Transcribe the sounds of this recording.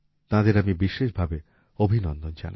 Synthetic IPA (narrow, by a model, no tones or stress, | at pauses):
t̪ãd̪eɾamibiʃeʃbʱabe | obʱinɔnd̪ond͡ʑa̰na̰